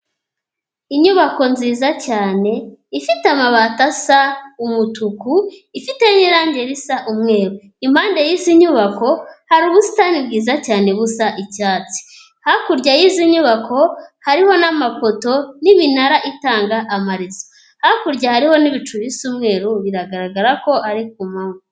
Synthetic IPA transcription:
iɲuβako̞nziːzacaːne̞ifitamaβatasaumutukuifite̞ɲiɾaːɲɟe̞ɾisaʔumŋe̞ːɾu | im̥haːndejiːziɲuβako̞haɾuβusi̥tanibɡiːzacaːne̞βusaʔicaːt͡si̥ | hakuɾɟajiziɲuβakʰo̞haɾiho̞namafo̞to̞niβinaɾaʔitaːŋɡaʔamaɾizo̥ | hakuɾɟahaɾiho̞niβit͡ʃuβisumŋe̞ːɾuβiɾaɡaɾaɡaɾako̞ʔaɾik̚umamo

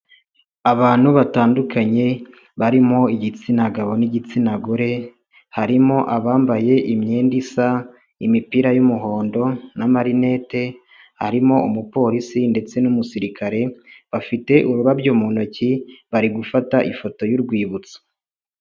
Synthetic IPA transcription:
aβaːn̥huβataːndukʰaɲe̞ | βaɾimo̞iɟit͡sinaɡaβo̞niɟit͡sinaɡuɾe̞ | haɾimo̞ʔaβaːmbaje̞ʔimɲeːndisa | imipiɾajumuɦo̞ːndo̞namaɾine̞ːte̞ | ha̰ɾimo̞umupo̞ːɾisinde̞t͡se̞numusiɾikaɾe̞βafite̞ʔuɾuɾabɟomonociβaɾiɡufataʔifo̞to̞juɾɡwiːβut͡so̥

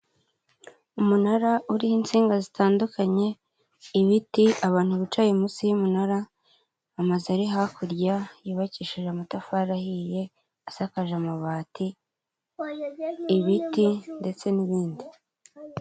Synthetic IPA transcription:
umunaɾaʔuɾihint͡siːŋɡazitaːndukaɲe̞ | iβitiaβaːn̥huβit͡ʃajemusijumunaɾaː | mazaɾiɦakuɾɟajiːβaciːʃiʒamatafaɾahije̞ | asakaʒamaβaːti | βitinde̞t͡se̞niβiːndi

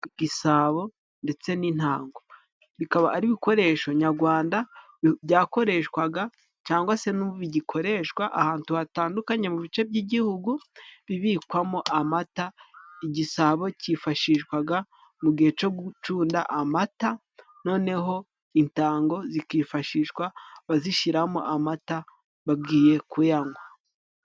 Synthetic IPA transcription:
ɡ̥isaːβo̞ | nde̞t͡se̞nin̥haːŋɡo | βikaβa̰ʔaɾiβiko̞ɾe̞ʃo̞ɲaɾɡwaːnda | bjaːko̞ɾe̞ʃwaɡa | t͡ʃaːŋɡwase̞nuβiɟikʰo̞ɾe̞ʃwaʔahaːntuhataːndukaɲe̞muβit͡ʃe̞bɟiːɟihuɡuβiβikwamoʔamataiɟisaβo̞cifaʃiʃkwaɡa | muɡihe̞t͡ʃo̞ɡut͡ʃuːndaʔamata | no̞ːne̞ɦo̞ | intaːŋɡo̞zikiːfaʃiʃkwaβaziʃiɾamo̰ʔamata | βab̚ɡiːje̞kujaŋɡwa

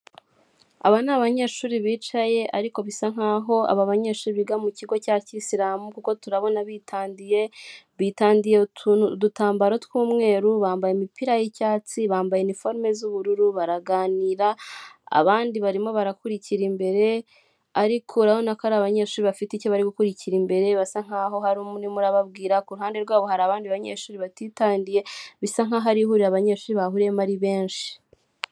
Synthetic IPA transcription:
a̰βanaβaɲe̞ːʃuːɾiβiːt͡ʃaje̞ʔaɾiko̞βisaŋ̥haːɦo̞a̰βaβaɲeːɾʃuːɾiβiɡamuciɡo̞caːcisiɾaːmukuko̞tuɾaβo̞naβitʰaːndijeβitaːndijedutaːmbaɾotwuːmŋe̞ːɾuβaːmbajemipiɾajicaːt͡siβaːmbajenifo̞ɾme̞zuβuɾuɾuβaɾaɡaːniːɾaa̰βaːndiβaɾimo̞βaɾakuɾiciɾimbe̞ɾe̞ | aɾikʰoɾahonakaɾaβaɲe̞ːʃuːɾiβafiticoβaɾiɡukuɾiciɾimbe̞ɾe̞βasaŋ̥haɦo̞ɦaɾumunimuɾaβabɡiːɾakuɾuɦaːnde̞ɾɡwaːβoɦaɾaːβaːndiβaɲeʃuːɾiβatitaːndije̞βisaŋ̥aɦaɾiɦuɾiɾaβaɲe̞ːʃuːɾiβahuɾemaɾiβe̞ːnʃi̥

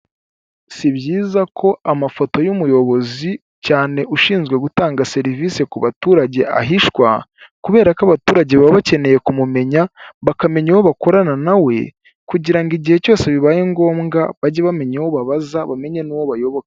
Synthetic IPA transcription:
siβɟiːzakʰo̞amafo̞to̞jumujo̞βo̞zi | caːne̞ʔuʃiːnzɡwe̞ɡutaːŋɡase̞ɾivise̞kuβatuːɾaɟe̞ʔa̰ɦiʃkwakuβe̞ːɾakaβatuːɾaɟe̞βaβace̞ne̞je̞kumume̞ɲaβakame̞ɲewo̞βako̞ɾananawe̞̰ | kuɟiɾaŋɡiɟihe̞co̞ːse̞βiβaːje̞ŋɡo̞ːmŋɡaβaɟeβame̞ɲewo̞βaβazaβame̞ɲenuwo̞βajo̞βokaḁ

